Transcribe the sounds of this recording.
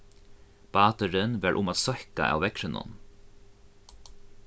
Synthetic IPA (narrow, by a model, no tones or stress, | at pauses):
b̥ɑːt̪əɾɪnʋæɹʔʊ̰maːt̪sɔhka̰ʔa̰wvɛkɾɪnʊ̰n